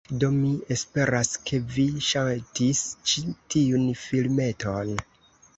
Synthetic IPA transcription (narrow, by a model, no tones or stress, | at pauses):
do̞mie̞spe̞ɾaskʰe̞viʃaltist͡ʃitiunfilme̞tʰon